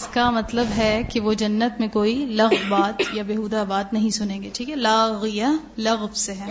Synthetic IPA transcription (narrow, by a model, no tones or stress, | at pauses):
ɪskamɐt̪ləbɦɛkeʋod͡ʒɐnːət̪mẽkoːilɐɣbbaːt̪jabeːɦuːd̪abaːt̪nɐɦĩsʊnẽːŋɡeːʈʰiːkɦɛlaːɣijalɐɣbseɦɛː